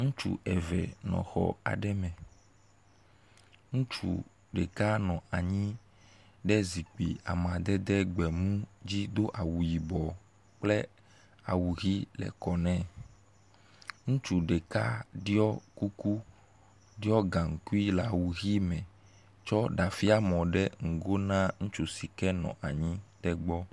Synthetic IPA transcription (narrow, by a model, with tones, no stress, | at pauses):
ŋũ˦t͡ʃṵ˦ʔɛ˨vɛ̰˨nɔ̰̃˨xɔ̰˨a̰˨ɖɛ˦mɛ̃˨ | ŋũ˦t͡ʃṵ˨ | ɖe˨ka˦nɔ̃˨a˨ɲĩ˦ | ɖɛ˦zi˨k͡pḭ˨a̰˨mã˨d̪ɛ˦d̪ɛ˦ɡ͡bɛ˨mũ˦d͡ʑi˦d̪o˦ʔa˨wu˨ji˨bɔ˨ | k͡plɛ˦ | a̰˨wu˨ɣi˦lɛ̰˨kɔ˨nɛ̃˦ | ŋũ˦t͡ʃu˨ɖɛ˨ka˦ɖi˦ɔ˦ku˦ku˦ | ɖi˦ɔ˦ɡã˨ŋ̩˨ku˦i˦la˨wu˨ɣi˦mɛ̃˨ | t͡ʃɔ˦ɖa˨fi˦a˦mɔ̃˨ɖɛ˦ŋ̩˨ɡo˦nã˦ŋũ˦t͡ʃu˨si˨kɛ˦nɔ̰̃˨ʔa˨ɲĩ˦ɖɛ˦ɡ͡bɔ˦